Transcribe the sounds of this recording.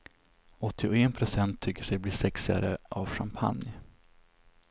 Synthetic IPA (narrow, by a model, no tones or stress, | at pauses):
ɔt̪ːɪɔɛnpʰɾʊsɛnt̪ʰːʏkːəʂɛjbliːʂɛksɪa̰ɾəʔavʂampʰa̰nj